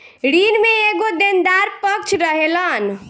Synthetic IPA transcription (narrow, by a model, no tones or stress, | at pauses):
ɾinmeeɡod̪end̪aɾpək̚t͡ʃʰɾəɦelən